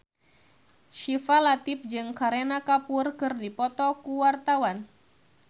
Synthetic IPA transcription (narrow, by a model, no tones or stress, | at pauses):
ʃifalat̪ip̚d͡ʒɨŋkaɾenakapurkɨrdipɔt̪ɔkuwart̪awan